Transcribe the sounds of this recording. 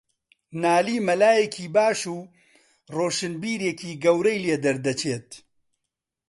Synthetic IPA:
naːliːmɐlaːjekʰiːbaːʃuː | roːʃɨnbiːɾeːkʰiːɡɐwɾɐjleːd̪ɐɾd̪ɐt͡ʃʰeːt̪̚

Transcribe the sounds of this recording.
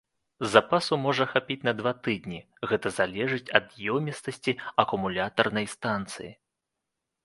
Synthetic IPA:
zapasumɔʐɐxapʲit͡sʲnɐd̪vat̪ɨd̪̚ʲnʲi | ɣɛt̪ɐzalʲɛʐɨt͡sʲɐd̪jɔwmʲist̪ɐsʲt͡sʲiɐkumulʲat̪ɐrnɐjst̪ant̪sɨ̰jḭ

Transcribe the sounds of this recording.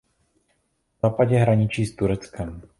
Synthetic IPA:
zaːpaɟɛɦɾaɲɪt͡ʃiːst̪uɾɛt͡skɛm

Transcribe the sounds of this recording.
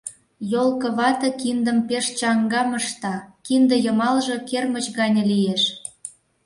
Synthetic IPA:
jolkɤ̆βɑt̪ɤ̆kind̪ə̆mpeʃt͡ɕɑŋɡɑməʃt̪ɑkind̪ə̆jə̆mɑlʒɤ̆kermət͡ɕɣɑnʲĕlijeʃ

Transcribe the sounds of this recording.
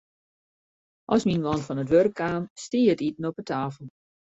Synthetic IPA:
ʔɔsminʋɔnfɔnətʋørkʰːaːmstiːətitn̩ɔpətʰaːfəlˠ

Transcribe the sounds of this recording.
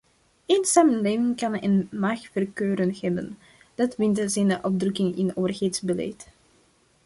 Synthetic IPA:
eːnsaːmənleːvɪŋkɑnə̰nmaːxfərkøːɾənɣɛbə̰n | d̥ɑtʋɪntəzɛndəʔɔbdrɵkɪŋɪnoːvərɣeːtzbəlɛ̰jt

